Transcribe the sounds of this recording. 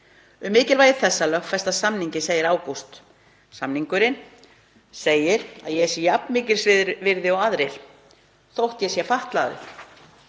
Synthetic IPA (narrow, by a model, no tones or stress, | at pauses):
ʏmːɪːcɪlvaːjðɪθɛsːalœxt̪fɛst̪aðsamniɲcɪseːjɪɾaːwkust̪ | samniŋkʏɾɪn | seːjɪɾa̰ðjɛɛsjɛjapnmɪːcɪɾ̥sɪvɪɾðɪɔwaðɾɪɾ̥ | θowht̪jɛsjɛfaht̪laːðɪ̰